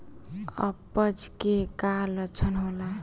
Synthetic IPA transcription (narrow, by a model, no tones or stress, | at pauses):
ʌ̰pːʌd͡ʒkekalʌt͡sʰʌnɦola